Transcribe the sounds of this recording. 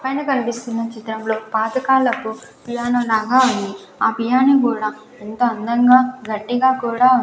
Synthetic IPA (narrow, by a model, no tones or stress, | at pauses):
pɐjnɐkɐlipist̪unːɐt͡ʃit̪ɾɐmlo̞ːpaːd̪ɐkaːlɐkupijaːnɐmlaːɡaːunːi | aːpijaːnɐkuːɽaː | ent̪oɐnd̪ɐŋɡaːɡɐʈːiɡaːkuːɽaːu